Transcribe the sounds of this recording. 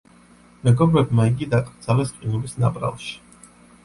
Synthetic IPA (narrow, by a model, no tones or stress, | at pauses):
mɛɡɔbɾɛbmaiɡid̪akʼɾd̪zalɛsqʼinulisnabʼɾa̰lˠʃi̥